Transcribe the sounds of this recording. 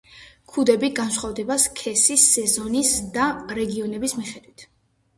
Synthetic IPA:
kʰud̪ɛbiɡansχwavd̪ɛbaskʰɛsisːɛzɔnisd̪aɾɛɡiɔnɛbismiχɛd̪wit̪ʰ

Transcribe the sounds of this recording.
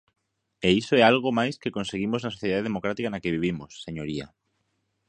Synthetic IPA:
eisoɛalɣ̞omajskekõnseɣimoznasoθjeðaðeemokɾat̪ikanakeβiβ̞imosːeɲoɾia̰

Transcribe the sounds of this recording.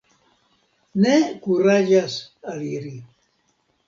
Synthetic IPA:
nekuɾaʒasaliɾi

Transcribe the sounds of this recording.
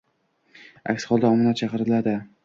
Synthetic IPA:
a̰kʲsχɒlˠd̪aɒmɨnat̪̚t͡ʃʰɑqɨɾɪlad̪ɪ

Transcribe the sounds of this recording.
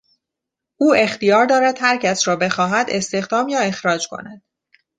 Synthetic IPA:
ʔuːe̞xt̪ijɒːɾd̪ɒːɾæd̪̥hæɾcʰæsɾɒːbe̞xɒːɦæd̪e̞st̪e̞xd̪ɒːmjɒːe̞xɾɒːd͡ʒkʰo̞̰næd̪̥

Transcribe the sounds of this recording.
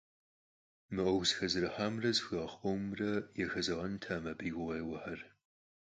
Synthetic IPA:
mɨʔɐwzxɐzɨɾɨħaːmrɐzxɐχʷʼowmrɐjɛxɐzɐʁɐntʰaːmɐbiːɡʷʊʁeːwɐħɐr

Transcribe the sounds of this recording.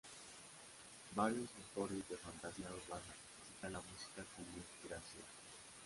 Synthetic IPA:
baɾjosawt̪oɾezðefant̪asiauɾβana | isit̪alamusi̥kakumi | iɾasja̰

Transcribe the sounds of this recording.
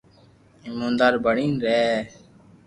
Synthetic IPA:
ɪmũːnd̪aːɾbʱəɳĩːnɾeː

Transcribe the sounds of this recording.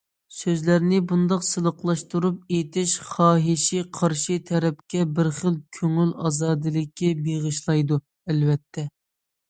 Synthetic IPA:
søzlæɾnɪbund̪ɑqsɨlˠəqlˠɑʃt̪uɾup̚et̪ʰɪʃχɑːɦɪʃiqʰɑɾʃit̪ʰɛɾɛp̚kʲɛbɪɾχəlˠkʲʰøŋylɑ̰ːzɑːd̪ɨlˠɪkʲʰːibeʁɨʃlˠɑjd̪u | ælvɛt̪ʰːɛ

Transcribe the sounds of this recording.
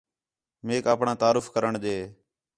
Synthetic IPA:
meːkaːpɳãːt̪aːɾʊfʰkəɾəɳɗ̪eː

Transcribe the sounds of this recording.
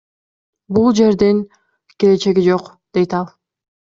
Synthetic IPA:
bulˠd͡ʒe̞ɾd̪iŋ | kele̞t͡ʃe̞ɡid͡ʒo̞q | d̪̥e̞jt̪ɑlˠ

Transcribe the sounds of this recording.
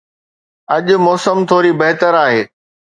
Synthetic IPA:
ɐʄʊ̆mɔːsəmt̪ʰoːɾibɐɦt̪əɾaːɦeː

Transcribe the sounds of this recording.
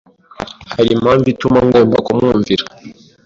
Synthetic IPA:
halimaɱvitumaŋɡɔmba̰kwamuɱviɾa

